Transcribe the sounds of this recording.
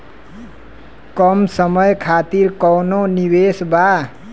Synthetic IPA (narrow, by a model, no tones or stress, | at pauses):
kʌmsəmʌjkʰat̪iɾkɔwnonibesba